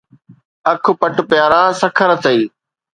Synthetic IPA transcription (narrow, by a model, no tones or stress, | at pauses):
ɐkʰʊ̆pɐʈpjaːɾaːsɐkʰəɾət̪ʰəiː